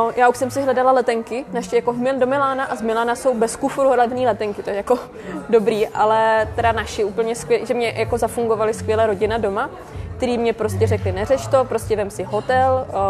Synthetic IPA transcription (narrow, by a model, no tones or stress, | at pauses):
nojaːuʃsɛmsɪɦlɛdalalɛt̪ɛŋkɪnaʃɪjako̞ɦmɪldo̞mɪlaːnaʔazmɪlaːnaso̞wbɛskufɾuɾlɛvniːlɛt̪ɛŋkɪt̪ojɛjako̞ | do̞bɾiːʔalɛt̪ɛdanaʃɪuːpl̩ɲɛskvjɛʒɛmɲɛjako̞zafuŋɡo̞valɪskʋjɛlɛːɾo̞ɟɪnado̞ma | kt̪ɛɾiːmɲɛpɾo̞scɛrɛklɪnɛrɛt͡ʃt̪o̞pɾo̞scɛvɛmsɪɦo̞t̪ɛl